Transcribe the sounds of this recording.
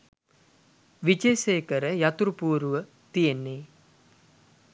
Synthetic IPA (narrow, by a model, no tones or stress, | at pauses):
ʋit͡ʃeːseːkəɾəjat̪uɾupuːɾuʋə | t̪ijenːe